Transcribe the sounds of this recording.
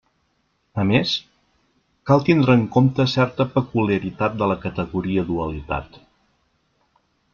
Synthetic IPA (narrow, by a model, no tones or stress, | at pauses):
əmes | kalˠt̪ind̪ɾəːŋkomt̪əsɛɾt̪əpəkuljəɾit̪at̪̚d̪ələkət̪əɣuɾiəðuəlit̪a̰t̪